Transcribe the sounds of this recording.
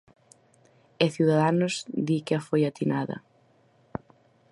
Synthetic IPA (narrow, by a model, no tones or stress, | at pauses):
eθjuðaðanʊzðikɪɐfojat̪inaðɐ̰